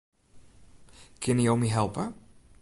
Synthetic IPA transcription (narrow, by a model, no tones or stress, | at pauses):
kʰɪnijowmiɦɛlˠpə